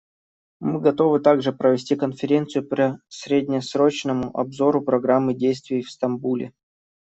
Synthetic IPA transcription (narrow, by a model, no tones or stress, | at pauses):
mɨɡɐt̪o̞vɨt̪aɡʐɨpɾəvʲɪsʲtʲikənfʲɪɾʲent̪sɨjʊpɾʲəsʲɾʲedʲnʲɪsɾo̞t͡ɕnəmʊʔɐ̰bzo̞ɾʊpɾɐɡɾamːɨdʲejst̪vʲɪjfst̪ɐmbulʲɪ̰